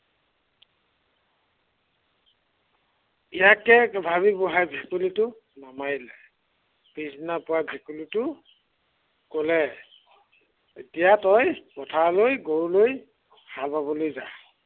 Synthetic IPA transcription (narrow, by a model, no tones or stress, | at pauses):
ijakɛbʱaβibɔɦajbʱekulitʊnamalɛ | pisnapʊwabʱekulitʊ | kolɛ | etijatɔjpɔtʰalojɡoɹloj | halpaβɔlojza̰